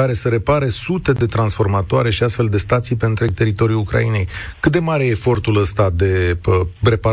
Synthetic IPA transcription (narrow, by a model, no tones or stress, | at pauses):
aɾe̞səɾe̞paɾesut̪e̞d̪e̞t̪ɾansfo̞rmat̪oaɾe̞ʃiast̪fe̞ld̪e̞st̪at̪sijpe̞nt̪ɾeɡ̚t̪e̞ɾit̪o̞ɾiulukɾa̰ine̞jkɨt̪̚d̪e̞maɾejeefo̞rt̪uləst̪ad̪e̞əpɾe̞pa